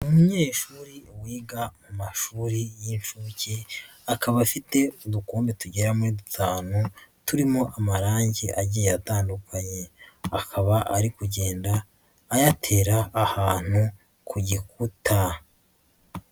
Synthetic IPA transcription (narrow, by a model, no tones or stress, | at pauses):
umuɲe̞ːʃuːɾiwiːɡamumaʃuːɾijinʃuːciakaβafite̞udukuːmbetuɟe̞ɾamuɾidutʰaːnutuɾimo̞ʔamaɾaːɲɟeʔaɟijejataːndukʰaɲe̞akʰaβaʔaɾikuɟe̞ːndaː | jatʰe̞ːɾaːhaːn̥hu | kʰuɟikutʰa